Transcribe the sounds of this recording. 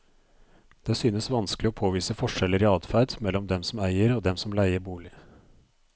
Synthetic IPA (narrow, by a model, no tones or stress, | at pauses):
d̪̥eːsyːnəsʋɑnsklɪɔːpʰoːʋiːsəfɔʂɛləɾiːɑːd̪fæɾd̪mɛlːɔmd̪ɛmsɔmæɪəɾoːd̪ɛmsɔmlæɪəɾbuːlɪ